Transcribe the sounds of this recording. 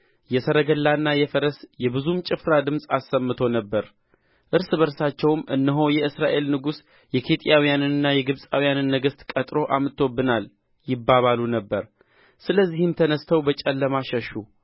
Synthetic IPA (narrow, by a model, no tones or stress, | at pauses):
jɛsəɾəɡəlːanːajɛfəɾəsjɛbɨzumt͡ʃʼɪfɾad̪ɨmsʼasːəmːɨt̪ʰo̞nəbːəɾ | ʔɨɾsbəɾsat͡ʃːɛwmʔɨnːəɦo̞jɛɨsɾaʔe̞lnɨɡus | jɛkʰet̪ʼijawijanɨnɨnːajɛɡɨβsʼawijanɨnːəɡəst̪kʼət̪ʼɾo̞ʔamɨt̪ʰːobːɨnal | jɪbːaβalunəbːəɾ | sɨləzːihɨmt̪ʰənəst̪ʰəwbət͡ʃʼɛlːəmaʃəʃu